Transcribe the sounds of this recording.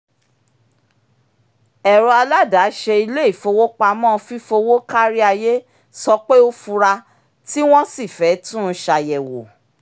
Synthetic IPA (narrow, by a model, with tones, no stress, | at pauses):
ɛ˨ɾɔ˧a˧la˦da˨˦ʃe˧i˧le˦i˦˨fo˧wo˦k͡pa˧mɔ̃˦˨˧fi˦fo˧wo˦ka˦ɾi˦a˧je˦ | sɔ˧k͡pe˦o˦fu˧ɾa˧ | ti˦w̃ɔ̃˦si˦˨fɛ˨˦tũ˦ʃa˧jɛ˨wo˨